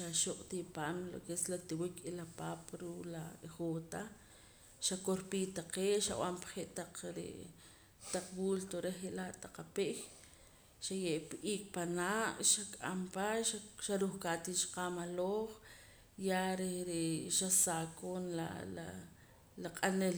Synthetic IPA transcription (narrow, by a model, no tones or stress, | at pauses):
ʃaʃuqʼt̪ipaːmlo̰keslat̪iwikʰilapaːpɾuːʔlaeχoːt̪a | ʃakoɾpiːt̪aqeːʃaw̰ampḁχeʔt̪aq͡χɾḛ | t̪aq͡χwult̪oɾeχeʔlaʔt̪aq͡χapeʔj | ʃajeʔpʔiːk̚ʼpanaʔʃakʼampaʃaʃaɾuχkat̪it͡ʃḁqamaloχ | jaɾeɾeʃasakoːnla̰la | laqʼanel